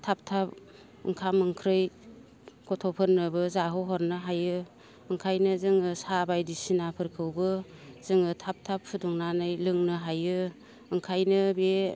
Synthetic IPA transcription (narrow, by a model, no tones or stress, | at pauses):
tʰap̚tʰap̚ | ɯ̰ŋkʰamɯŋkʰɾɯj | kɔtʰɔpʰɯɾnɯbɯzaɦoɦɔɾnɯɦajɯ | ɯŋkʰajnɯzɯŋɯsabajdisinapʰɯɾkʰɯwbɯzɯŋɯtʰap̚tʰap̚ʰːuduŋnanɯjlɯŋnɯɦajɯ | ɯŋkʰajnɯbe